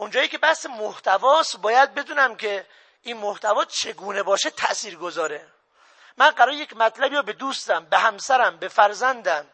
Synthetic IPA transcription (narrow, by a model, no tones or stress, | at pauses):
ʔond͡ʒɒːjiːkʰʲe̞bæhsemoht̪ʰævɒːst̪bɒːjæd̪̚be̞d̪uːnæmkʰe̞ | ʔiːnmoht̪ʰævɒːt͡ʃʰe̞ɡuːnebɒːʃet̪ʰæʔsiːɾɡozɒːɾe | mænɢæɾɒːɾejecʲmæt̪ʰlæbiːɾɔːbe̞d̪uːst̪æmbehæmsæɾæmbe̞fæɾzænd̪æm